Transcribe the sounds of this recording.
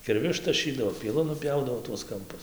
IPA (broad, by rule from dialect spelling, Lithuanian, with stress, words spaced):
kʲɪrʲˈʋʲʊ ɪʃtɐˈʃʲiːdɐʋoː pʲiɛˈlˠʊ nʊˈpʲjɛʊdɐʋoː tuɔs kɐmˈpʊs